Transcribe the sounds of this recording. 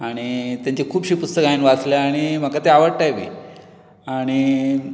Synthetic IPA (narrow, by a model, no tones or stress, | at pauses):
aɽ̃it̪jaɲt͡ɕekʰuːpɕiːpust̪əkajinʋat͡slaaɽ̃im̤akat̪eaʋəɽʈ̪ajbʱḭː | aɽ̃i